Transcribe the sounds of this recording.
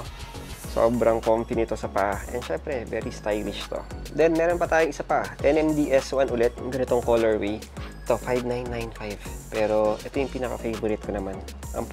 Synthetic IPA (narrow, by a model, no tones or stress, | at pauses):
so̰ːbɾɐŋkomfinɪt̪o̞sɐpɐʔaʔɛ̰nd̪ʃɛmpɾɛvɛ̰ːɾist̪ajlɪʃt̪o̞̰d̪ɛnmɛːɾonpɐt̪aːjʊŋʔɪsɐpɐʔɛnɛmd̪iʔɛswɐnʔʊlɛt̪̚ʊŋɡɐnɪt̪o̞ŋkoːlɛɹwej | t̪o̞fajvnajnːajnfajvpɛːɾo̞ʔɛt̪ojʊŋpiːnɐkɐ̰fejvʊɾɪt̪̚konɐman | ʔɐ̰m